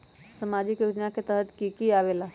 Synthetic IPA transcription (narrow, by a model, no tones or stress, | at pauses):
səmad͡ʒɪkjoːd͡ʒnaket̪əɦət̪kikiaːʋeːla